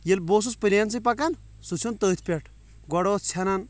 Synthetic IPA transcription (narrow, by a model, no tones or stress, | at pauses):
jelboːs̬uspɨɾʲant͡s̬ɨpɐkan | sut͡sʰunt̪əːt̪ʰʲpʲeʈʰ | ɡɔɽoːt͡sʰɐnan